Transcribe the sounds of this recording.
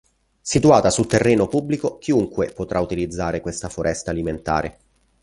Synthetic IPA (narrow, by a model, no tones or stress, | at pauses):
sit̪uaːt̪asult̪erːeːnopubːlikok̟iuŋkwepot̪ɾaut̪ilid̪zːaːɾekwest̪afoɾʔɛst̪aːliment̪a̰ːɾḛ